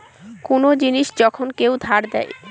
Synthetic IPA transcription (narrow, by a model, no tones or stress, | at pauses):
konod͡ʑiniʃd͡ʑɔkʰonkewd̪ʱaɾd̪ɛ̰j